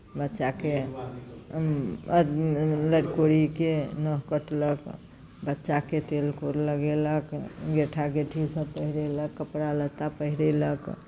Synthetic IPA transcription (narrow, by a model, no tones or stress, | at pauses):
bətːʃake | ləɽkoɾikenəɦkəʈlək | bətːʃaket̪elkoɾləɡeləkɡeʈʰaɡeʈʰisə̃pəɦiɾeləkːəpɽalət̪ːapəɦiɾelək